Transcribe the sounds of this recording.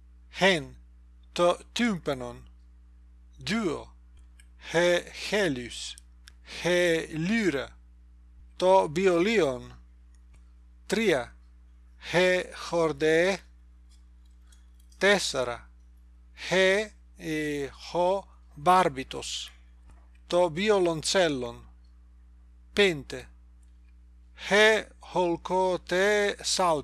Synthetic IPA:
hen | t̪ot̪ympenon | d̪yo̰ | hexelys | helyɾa | t̪obiolion | t̪ɾia | hexoɾd̪e | t̪ɛsaɾa̰ | hɛ | ehɔ | baɾbit̪o̰s | t̪ɔbiolont͡sɛlːon | pent̪e | hɛholkot̪ɛsal

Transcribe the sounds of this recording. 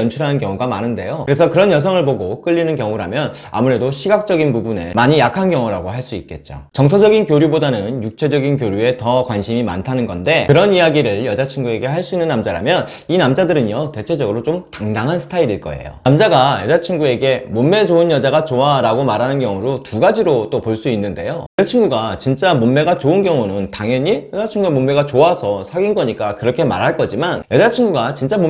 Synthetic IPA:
ʌnt͡ɕʰuɾɦanɯnkjʌŋuɡamanɯnde̞̰joɯɾe̞s̬ʰʌkɯɾʌnjʌs̬ʰʌŋɯɭpoɡok͈ɯʎːinɯnkjʌŋuɾamjʌna̰muɾe̞doɕʰiɡak̚t͡ɕ͈ʌɡinpubune̞̰maɲijakʰankjʌŋuɾaɡoɦaɭs͈uit̚k͈e̞t̚t͡ɕ͈o̰t͡ɕʌŋtʰʌd͡ʑʌɡinkjoɾjubodanɯnjuk̚t͡ɕʰe̞d͡ʑʌɡinkjoɾjue̞tʌkwanɕʰimima̰ntʰanɯnɡʌnde̞kɯɾʌnijaɡiɾɯɭjʌd͡ʑat͡ɕʰiŋɡue̞ɡe̞ɦaɭs͈uinːɯnːamd͡ʑaɾa̰mjʌninamd͡ʑadɯɾɯnjʌte̞t͡ɕʰe̞d͡ʑʌɡɯɾot͡ɕomtaŋdaŋɦansʰɯ̥tʰaiɾiɭk͈ʌ̰e̞̰jo̰amd͡ʑaɡajʌd͡ʑat͡ɕʰiŋɡue̞ɡe̞momːe̞d͡ʑoɯnjʌd͡ʑaɡat͡ɕoaɾaɡomaɾɦanɯnkjʌŋuɾotuɡad͡ʑiɾot͈opoɭs͈uinːɯnde̞̰jojʌat͡ɕʰiŋɡuɡat͡ɕint͡ɕ͈amomːe̞ɡat͡ɕoɯnɡjʌŋunɯntaŋjʌɲijʌd͡ʑat͡ɕʰiŋɡuemomːe̞ɡat͡ɕoasʰʌsʰaɡinɡʌɲik͈akɯɾʌkʰe̞ma̰ɾɦaɭk͈ʌd͡ʑimanjʌd͡ʑat͡ɕʰiŋɡuɡat͡ɕint͡ɕ͈amo

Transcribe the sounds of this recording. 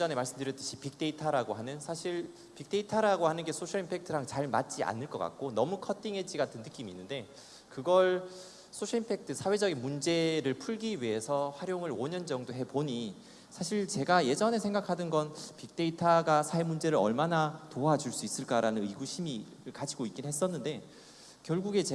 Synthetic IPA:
ʌne̞maɭs͈ɯmdɯɾjʌt͈ɯɕʰipik̚t͈e̞itʰaɾaɡoɦanɯnsʰaɕʰiɭ | pik̚t͈e̞itʰaɾaɡohanɯnɡe̞sʰoɕʰaɭimpʰe̞k̚tʰɯɾaŋt͡ɕaɭma̰t̚t͡ɕ͈iʔa̰nɯɭk͈ʌk͈a̰k̚k͈onʌmukʰʌtʰiŋɦe̞d͡ʑiɡatʰɯnːɯk͈iminːɯnde̞ | kɯɡʌɭ | sʰoɕʰaɭimpʰe̞k̚tʰɯsʰawe̞d͡ʑʌɡinmund͡ʑe̞ɾɯɭpʰuɭɡiɥie̞sʰʌɸwaɾjoŋɯɾoɲʌnd͡ʑʌŋdoɦe̞poɲi | sʰaɕʰiɭt͡ɕe̞ɡaje̞d͡ʑʌne̞sʰeŋɡakʰadɯnɡʌnpik̚t͈e̞itʰaɡasʰaemund͡ʑe̞ɾɯɾʌ̰ɭmanatoad͡ʑuɭs͈uis͈ɯɭk͈aɾanɯnɯiɡuɕʰimiɾɯɭkad͡ʑiɡoik͈inɦe̞s̬͈ʌnːɯnde̞ | kjʌɭɡuɡe̞t͡ɕ

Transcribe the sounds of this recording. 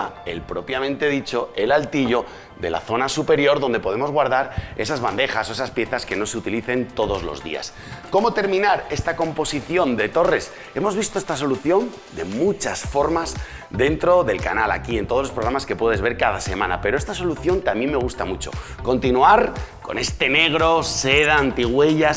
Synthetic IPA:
e̞̰lpɾo̞pjamẽnt̪e̞ð̞it͡ʃo̞e̞lalt̪iʎo̞ | ðe̞̰la̰θo̞nasupe̞ɾjo̞ɾðo̞nd̪e̞po̞ð̞e̞mo̞zɣwaɾðaɾe̞sazβand̪e̞xaso̞e̞saspje̞θaske̞no̞seut̪iliθe̞nt̪o̞ðo̞zlo̞̰zðḭa̰s | ko̞mo̞t̪e̞ɾmĩnaɾe̞st̪ako̞mpo̞siθjo̞nd̪e̞t̪o̞re̞s | e̞mo̞zβist̪o̞e̞st̪aso̞luθjo̞n | d̪e̞̰mut͡ʃasfo̞ɾmaz | d̪e̞nt̪ɾo̞ðe̞lka̰nala̰kie̞nt̪ozlo̞spɾɾamaske̞pwe̞ð̞e̞zβe̞ɾkaðase̞mãna̰pe̞ɾoe̞st̪aso̞luθjo̞nt̪amjemːe̞ɣ̞ust̪amut͡ʃo̞̰ | ko̞nt̪inuaɾko̞̰ne̞st̪e̞ne̞ɣ̞ɾo̞se̞ðaːnt̪iɣwe̞ʝas

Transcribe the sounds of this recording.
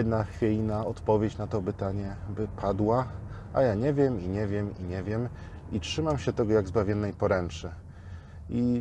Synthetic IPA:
ɛd̪naxfʲelʲinaɔt̪pɔvʲjet͡ɕnat̪ɔbɘt̪aɲɛbɘpʰad̪wa | ajaɲɛvʲjɛmiɲɛvʲjɛmiɲɛvʲjɛm | itʂɘmamɕɛt̪ɛɡɔjaɡzbavʲjɔnːɛjpɔɾɛnt͡ʂɛ | i

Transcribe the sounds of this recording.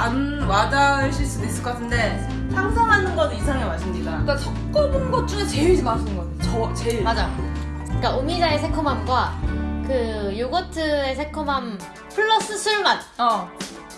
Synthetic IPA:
anwadaeɕʰiɭs͈uduis͈ɯɭk͈ʌatʰɯnde̞ | tʰaŋsʰʌŋɦanɯnɡʌdisʰaŋemaɕʰind͡ʑik͈ak͈asʰʌkk͈ʌbɯnɡʌt̚t͡ɕ͈uɡet͡ɕe̞iɭimasʰɯnɡʌdeot͡ɕʌt͡ɕeɭmad͡ʑajok͈aomid͡ʑae̞sʰekʰomamɡwakɯjoɡʌtʰɯe̞sʰe̞kʰomam | pʰɯɭːʌs͈ɯsʰuɭmat | ʌ

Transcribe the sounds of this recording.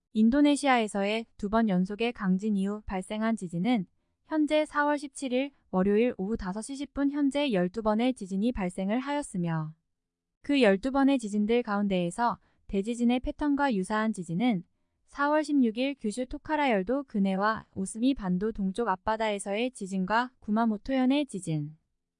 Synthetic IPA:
indone̞ɕʰiae̞sʰʌe̞tubʌnjʌnsʰoɡe̞kaŋd͡ʑiniupaɭs͈e̞ŋɦant͡ɕid͡ʑinɯn | çjʌnd͡ʑe̞sʰawʌɭɕʰip̚t͡ɕʰiɾiɭ | wʌɾjoiɾoutasʰʌɕʰiɭɕʰip̚p͈unçjʌnd͡ʑe̞jʌɭt͈ubʌne̞t͡ɕid͡ʑiɲipaɭs͈e̞ŋɯɭɦajʌs͈ɯmjʌ | kɯjʌɭt͈ubʌne̞t͡ɕid͡ʑindɯɭkaunde̞ːsʰʌ | te̞d͡ʑid͡ʑine̞pʰe̞tʰʌnɡwajusʰaɦand͡ʑid͡ʑinɯn | sʰawʌɭɕʰimɲuɡiɭkjuɕʰutʰokʰaɾajʌɭdokɯne̞waosʰɯmipandotoŋt͡ɕ͈oɡap͈̚adae̞sʰʌe̞t͡ɕid͡ʑinɡwakumanotʰojʌne̞t͡ɕid͡ʑin

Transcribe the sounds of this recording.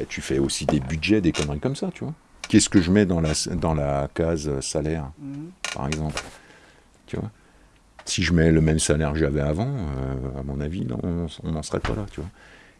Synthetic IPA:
ɛt̪yfɛosid̪ebyd̪ʒɛd̪ekɔnʁikɔmsat̪yvwa | kʲɛsə̥kəʒəmɛd̪ɑ̃lasd̪ɑ̃lakazøsalɛʁpa̰ʁɛɡzɑ̃pl | t̪yvwa̰ | siʒəmɛləmɛmsalɛʁkəʒavɛavɑ̃øamɔ̃navinɔ̰̃ɔ̃ɔ̰̃nɑ̃səʁɛ̰pa̰lat̪yvwa

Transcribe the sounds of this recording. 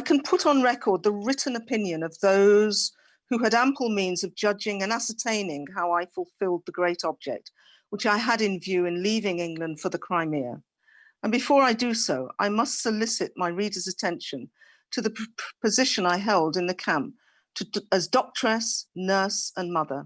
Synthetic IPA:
aɪkʰɨ̃npʰʊɾn̩ɹɛkʰə˞d̪̚ðəɹɪʔn̩ɨpʰɪ̃njɨ̃nʌvðoʊz̥ | hʉɨɾæ̃mpʰl̩ˠmĩnzʌvd͡ʒʌd͡ʒɪ̃ŋɨ̃næsə˞tʰẽɪ̃nɪ̃ŋɦaʊaɪfəl̩ˠfɪlˠd̪̚ðəɡɹeɪɾɑb̚d͡ʒɛ̰k̚t̚ | wət͡ʃaɪəɾɨ̃nvjʉɨ̃nlivɪ̃ŋɪ̃ŋɡlɨ̃nd̥fə˞ðɨkʰɹ̥ãɪ̃mɪ | ə̃nbɨfɔɹaɪdɨsoʊʔa̰ɪmʌstsɨlɪsɨt̚maɪɹiɾə˞zɨtʰɛ̃nʃɨ̃n | tʰɨðɨpʰɨzɪʃɨ̃naɪɦɛlˠdɨ̃nðɨkʰæ̃mp̚ | tʰɨəzdɔk̚tʰɹ̥ɨsnɜ˞sə̃nmʌðə̰˞

